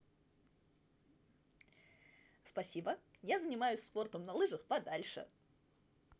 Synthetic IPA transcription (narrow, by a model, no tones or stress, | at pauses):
spɐsʲibəjazənʲɪmajʊsʲsfo̞rt̪əmnɐlˠɨʐəxpɐd̪alʲʂɨ̰